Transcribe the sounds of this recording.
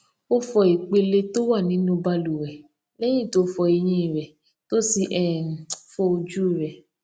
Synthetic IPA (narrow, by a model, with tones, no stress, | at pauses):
o˦fɔ˧i˨k͡pe˧le˧to˦wa˦˨nĩ˨˦nũ˧ba˧lu˨wɛ˨ | lɛ˦j̃ĩ˦˨to˨˦fɔ˧e˧j̃ĩ˧i˨ɾɛ˨ | to˦si˧ʔɛ˦˨fɔ˧o˧d͡ʒu˦i˦˨ɾɛ˨